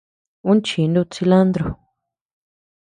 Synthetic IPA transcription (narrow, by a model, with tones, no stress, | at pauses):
ũ˦nt͡ʃi˨˧nd̪u˦˧t͡si˧la˦nd̪ɾo˧˨